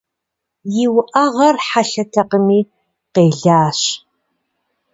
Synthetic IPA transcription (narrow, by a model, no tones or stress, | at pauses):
jɪwʊʔɐʁɐrħaɬɐtʰɐqəmiː | qeːɮaːɕ